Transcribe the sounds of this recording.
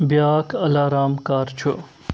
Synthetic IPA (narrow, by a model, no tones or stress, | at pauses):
bjaːkɐlaːɾaːmkaːɾt͡ʃʰu